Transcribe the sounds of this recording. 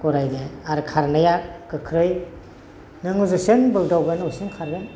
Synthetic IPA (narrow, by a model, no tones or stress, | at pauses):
kɔɾajdeaɾkʰaɾnajakɯkʰɾɯj | nɯŋuzɯsɯŋbɯldawɡɯnusiŋkʰaɾɡɯn